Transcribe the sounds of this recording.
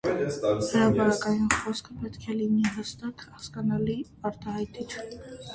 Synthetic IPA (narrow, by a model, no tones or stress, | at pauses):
həɾɑpɑɾɑkɑjunχɔskʰəpɛt̪kʰɛliniɦəst̪ɑkhɑskɑnɑli | ɑɾt̪ɑhɑjt̪it͡sʰ